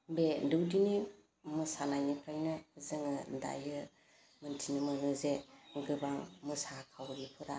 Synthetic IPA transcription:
bedɯwdini | mɯsanajnipʰɾajnɯzɯŋɯda̰jɯ | mɯntʰinɯmɯnɯzeɡɯbaŋmɯsakʰawɾipʰɯɾa

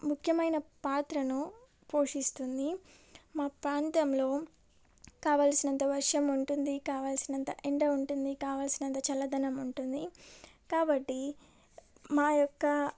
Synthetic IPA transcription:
mukʰjɐmɐjnɐpaːt̪ɾɐnu | po̞ːʂist̪und̪i | maːpɾaːnt̪ɐmlo̞ː | kaːʋaːlsinɐnt̪ɐʋɐɾʂɐmuɳʈund̪ikaːʋaːlsinɐnt̪ɐʔeɳʈɐuɳʈund̪ikaːʋaːlsinɐnt̪ɐt͡ʃɐlɐd̪ɐnɐmuɳʈund̪i | kaːbɐʈːi | maːjɔkːɐ

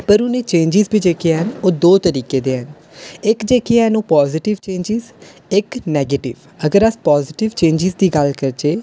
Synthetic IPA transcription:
pəɾʊnẽːt͡ʃẽːnd͡ʒɪzbʱiːd͡ʒeːkijeɦənoːd̪oːt̪əɾiːkeːd̪eːɦən | ɪkd͡ʒeːkijaənoːpɔːzɪʈɪʋt͡ʃẽːɲd͡ʒɪz | ɪknɛːɡeːʈɪ̰ʋ | əɡəɾəspɔːzɪʈɪʋt͡ʃẽːɲd͡ʒɪzd̪iːɡəlkəɾt͡ʃeː

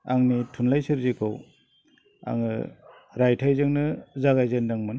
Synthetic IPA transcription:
aŋnitʰunlajsɯɾzikʰɯw | a̰ŋɯ̰ | ɾajtʰajzɯŋnɯzaɣajzendaŋmɯn

